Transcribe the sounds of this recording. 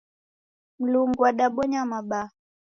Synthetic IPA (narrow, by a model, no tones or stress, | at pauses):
m̩luŋɡuwaɗaɓɔɲamaɓa